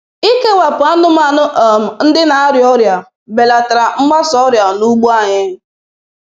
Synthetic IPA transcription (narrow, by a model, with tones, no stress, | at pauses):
i˦ke˦wa˨pʊ˨a˦n̩˦ʊ˦ma˨n˦˨m̩˨n̩˦dɪ˦na˨a˦ɾjɔ˦ɾja˨ | be˨la˨ta˨ɾa˨m̩˦ma˦sɔ˦ɾja˨nu˦ɡ͡bo˦a˨ɲɪ˦